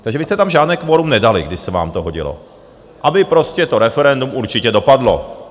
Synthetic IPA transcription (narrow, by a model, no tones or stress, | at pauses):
t̪aɡʒɛvɪst̪ɛt̪amʒaːd̪nɛːkʋoɾumnɛdalɪ̰ɡdɪʃsɛʋa̰ːmt̪oɦoɟḭlo̰ | ʔabɪpɾoscɛt̪oɾɛfɛɾɛnd̪umuɾt͡ʃɪcɛdopadlo̰